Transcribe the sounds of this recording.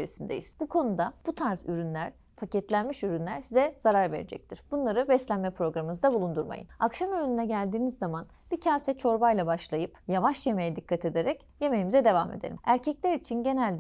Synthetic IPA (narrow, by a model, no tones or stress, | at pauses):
eɾisind̪ḛjiz̥bukʰo̞nud̪ab̥ut̪ʰaɾzyɾynlʲæɾ̥ | pʰacɛt̪lʲænmiʃyɾynlʲæɾsizɛz̥aɾaɾve̞̰ɾed͡ʒɛ̰c̚t̪ʰiɾ̥b̥unlˠaɾɯbɛslʲænmɛpɾo̞ɡɾamɯɯzd̪abulˠund̪uɾma̰jɯ̰akʃamønynɛɟælʲd̪iːnizːaman | b̥icʰaːsɛt͡ʃʰo̞ɾbajlˠabaʃlˠajɯpjavaʃjeme̞jɛd̪ikːat̪ʰe̞d̪e̞ɾɛc | jeme̞jimizɛd̪e̞vame̞̰d̪ḛɾʲḭmæɾcʰɛclʲæɾit͡ʃʰinɟe̞nælʲd̪